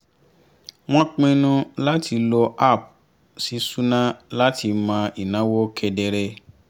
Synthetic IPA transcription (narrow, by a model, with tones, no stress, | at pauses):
w̃ɔ̃˦k͡pẽ˦˧nũ˧la˦ti˧lɔ˧ʔa˦˨p̚ | si˧˦su˦nã˦la˦ti˧mã˧i˨nã˨˦wo˦kʰɛ˧dɛ˧ɾɛ˧